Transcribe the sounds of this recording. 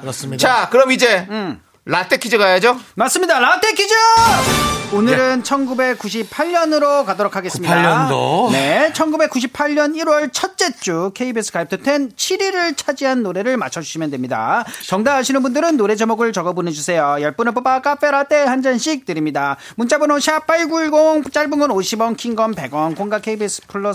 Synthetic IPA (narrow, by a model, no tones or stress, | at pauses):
ksakɯɾʌmid͡ʑe̞ | latʰekʰid͡ʑɯɡajad͡ʑomas͈ɯmɲidalatʰe̞kʰid͡ʑɯ | onɯɾɯnt͡ɕʰʌnɡube̞k͈ːuɕ̬ʰipʰaʎɲʌnɯɾokadoɾokʰaɡe̞s͈ɯmɲiaʌone̞t͡ɕʰʌnɡube̞k͈ːuɕ̬ʰipʰaʎːʌniɾwʌɭt͡ɕʰʌt̚t͡ɕ͈e̞t͡ɕ͈ukʰe̞ibes͈ʰɯ̥kʰaip̚tʰɯtʰe̞nt͡ɕʰiɾiɾɯɭt͡ɕʰad͡ʑiɦanːoɾe̞ɾɯɭma̰t͡ɕʰʌd͡ʑuɕʰimjʌndwemɲida̰t͡ɕʌŋdaɦaɕʰinɯnbundɯɾɯnːoɾe̞d͡ʑemoɡɯɭt͡ɕʌɡʌboned͡ʑusʰe̞jojʌɭp͈unɯɭp̬obak͈af͈e̞ɾat͈ehand͡ʑanɕʰik̚t͈ɯɾimɲida | munt͡ɕ͈abɯnoɕʰiap͈aɭɡuɭɡoŋt͡ɕ͈aɭbɯŋɯnoɕʰibʌnkʰiŋɡʌnpe̞ɡwʌnkoŋɡakʰe̞ibes͈ʰɯ̥pʰuɭːʌ